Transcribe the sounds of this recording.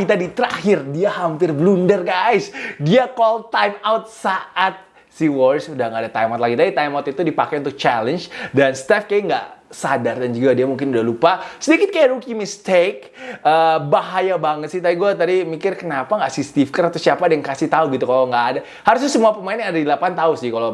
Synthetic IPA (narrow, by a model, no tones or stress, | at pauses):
kit̪̬adit̪əɾahɪrdiahampɪrblundərɡaɪsdiakɔlt̪ajmawt̪̚saʔat̪̚ | siwɔrsudaŋɡaːdat̪ajmat̪laɡit̪adit̪ajmaut̪it̪udipakajunt̪ʊk̚t͡ʃalənt͡ʃdanst̪ɛfkajaŋɡa̰ʔsadardand͡ʒuɡadiamuŋkɪnudahlupasədikɪt̪̚kajaɾukiməst̪ek̚ | ʔəbaɦajabaŋət̪sɪht̪adiɡuat̪adimikɪrkənapaŋɡaʔsɪst̪ifkaɾat̪asiapadajaŋkasɪht̪auɡit̪ukaloŋɡaʔːda | haɾʊs̬ɲasəmuapəmaɪnjaŋadadəlapant̪aʊnsɪhkala